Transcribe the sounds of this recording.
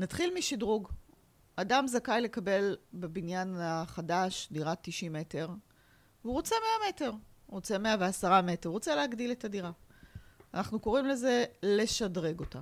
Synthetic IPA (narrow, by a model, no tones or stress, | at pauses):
natχilmiʃidʁuɡ | adamzakajle̞kabe̞lbebinjanaχadaʃdiʁatːiʃime̞te̞ʁ | vuʁot͡se̞me̞ame̞te̞ʁʁot͡se̞me̞aveasaʁame̞teʁʁo̞t͡seleaɡdiletadiʁa | anaχnuko̞ʁimle̞ze̞le̞ʃadʁe̞ɡo̞ta̰